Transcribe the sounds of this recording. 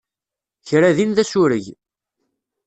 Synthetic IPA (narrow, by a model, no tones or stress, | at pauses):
çɾæðinðæsʊɾəʝ